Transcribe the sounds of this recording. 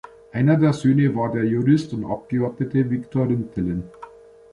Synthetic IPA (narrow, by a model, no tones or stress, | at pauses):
ʔæɪnɐdɛːɐsøːnəvɑːdeːɐjuʁɪstʊntɑ̰p̚ɡ̥əɔtətəvɪktʰoʁəntʰɪlən